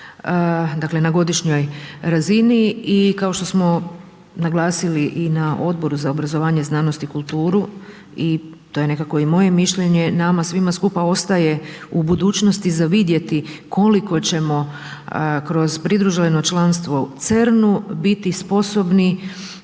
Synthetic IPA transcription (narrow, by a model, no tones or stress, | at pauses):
d̪akle̞naɡo̞d̪iʃɲo̞jɾaziniikao̞ʃt̪o̞smo̞ | naɡlˠaːsiliʔinaʔo̞d̪̚bo̞ɾuzaobɾazo̞ʋaːɲe̞znaːno̞st̪ikulˠt̪uːɾu | it̪o̞je̞ne̞kako̞imo̞je̞miʃʎe̞ɲe̞namasʋimaskupao̞st̪aje̞ubud̪uːt͡ʃno̞st̪izaʋid̪je̞t̪ikʰo̞liko̞t͡ɕe̞mo̞ | kɾo̞zpɾid̪ɾuʒileno̞t͡ʃlˠanst̪ʋo̞t̪sɾnubit̪ispo̞so̞bni